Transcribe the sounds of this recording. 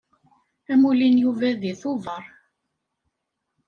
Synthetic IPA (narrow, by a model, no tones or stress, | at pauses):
æmulinjuvæðiθʊvəɾˤ